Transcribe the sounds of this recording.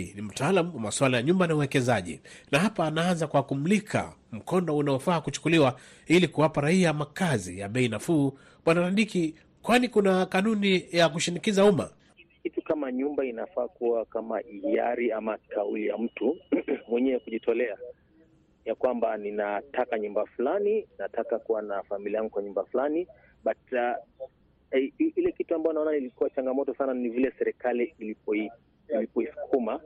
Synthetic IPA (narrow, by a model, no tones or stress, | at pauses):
nim̩taːlamuwamaswalajaɲumbanauwɛkɛzaʄḭnaɦapaːnaanzakuwakum̩likʰa̰m̩kɔndɔunaɔfaːkut͡ʃu̥kuliwa | ilikuwapaɾaiamakazḭjaɓɛinafuː | ɓwanaɾanɗiki | kwanikunakanunijakuʃinikizauma̰ | kitukamaɲumbainafaːkuakamaia̰ɾiamakaulijam̩tumwɛɲɛɛkuʄitʰɔlɛa | jakwambaninatakaɲumbafulaninatakakuwanafamiliajaŋɡukwaɲumbafulani | ɓata | ilɛkituambaɔnaɔnanilikuwat͡ʃaŋɡamɔtɔsananivilɛsɛɾɛkalilipɔi | ilipɔisu̥kʰuma